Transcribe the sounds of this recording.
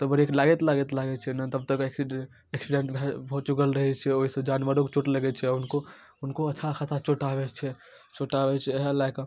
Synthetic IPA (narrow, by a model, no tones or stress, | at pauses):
t̪ɔbəɾeklaɡɛt̪laɡɛt̪laɡɛt͡ʃʰɛnat̪əb̚t̪əkeki | eksiɖeɳʈbʱɛbʱot͡ʃukəlɾəɦɛt͡ʃʰɛoɦisə̃d͡ʒanʋəɾokt͡ʃoʈləɡɛt͡ʃʰɛunko | unkoəːʃʰakʰasʰat͡ʃoʈabɛt͡ʃʰɛ | t͡ʃoʈabɛt͡ʃʰɛɦalak